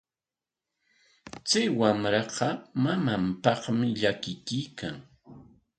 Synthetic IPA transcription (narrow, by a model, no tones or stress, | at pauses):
t͡sajwamɾɑqɑmamampɑχmɪʎakɪt̪ijka̰ŋ